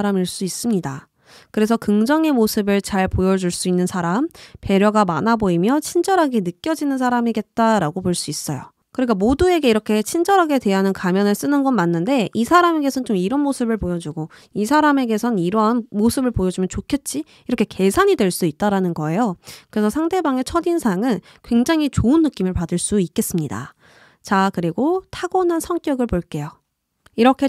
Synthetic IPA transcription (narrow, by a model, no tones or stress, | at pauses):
ɾamiɭs͈uis͈ɯmɲida̰ | kɯɾe̞sʰʌkɯŋd͡ʑʌŋe̞mosʰɯbɯɭt͡ɕaɭpojʌd͡ʑuɭs͈uinːɯnsʰaɾampe̞ɾjʌɡama̰naboimjʌt͡ɕʰind͡ʑʌɾɦaɡe̞nɯk͈jʌd͡ʑinɯns̬ʰaɾamiɡe̞t̚t͈aɾaɡopoɭs͈uis͈ʌjo̰ | kɯɾik͈amodue̞ɡe̞iɾʌkʰe̞t͡ɕʰind͡ʑʌɾɦaɡe̞dwe̞ɦanɯnkamjʌnɯɭs͈ɯnɯnɡʌnmanːɯnde̞ʔisʰaɾame̞ɡe̞sʰʌnt͡ɕomiɾʌnmosʰɯbɯɭpojʌd͡ʑuɡo | isʰaɾame̞ɡe̞sʰʌniɾʌnmosʰɯbɯɭpojʌd͡ʑumjʌnt͡ɕokʰe̞t̚t͡ɕ͈i | iɾʌkʰeke̞sʰaɲidwe̞ɭs͈uit̚t͈aɾanɯnɡʌe̞jokɯɾe̞sʰʌsʰaŋde̞baŋe̞t͡ɕʰʌdinsʰaŋɯn | kwe̞ŋd͡ʑaŋit͡ɕoɯnːɯk͈imɯɭpadɯɭs͈uik͈e̞s͈ɯmɲida̰ | t͡ɕakɯɾiɡotʰaɡonɯnsʰʌŋk͈jʌɡɯɭpoɭk͈e̞jo | iɾʌkʰe̞